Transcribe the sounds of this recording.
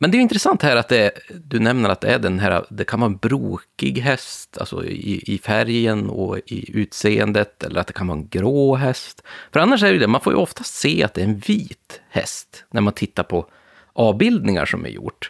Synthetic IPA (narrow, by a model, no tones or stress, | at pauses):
mɛnd̪ɛjʏɪnt̪ɾɛsant̪hæːɾat̪̚d̪ɛd̪ɵnɛmnaɾat̪̚d̪ɛæɖɛnɦæːɾa̰d̪ɛkʰanvɑːɾɛnbɾuːkɪɡɦɛst̪ʰa̰lsɔ̰ɪɪfæɾjənɔɪ̰ʉ̟ːt̪seːənd̪ət̪ɛlːəɾat̪̚d̪ɛkʰanvɑːɛnɡɾoːɦɛst̪fœɾanːaʂ̬ɛɖɛjɵd̪ɛmanfoːɾjə̰ʔɔft̪ast̪seːat̪̚d̪ɛɾɛnviːt̪hɛ̰st̪næɾmant̪ʰɪt̪ːaɾpʰɔ | ʔɑːvbɪld̪nɪŋa̰ʂɔmæ̰ɾjʊ̰ʈː